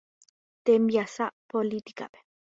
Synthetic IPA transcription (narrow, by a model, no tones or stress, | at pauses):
t̪emjasaʔpolit̪i̥ka̰pe̥